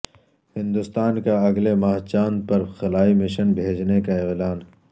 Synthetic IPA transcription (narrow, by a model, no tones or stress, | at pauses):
hɪ̃nd̪ʊst̪aːnkaɐɡlemaːɦt͡ʃaːnpɐɾxɐlaːimɪʃənbʱeːd͡ʒnekaɪɣlaːn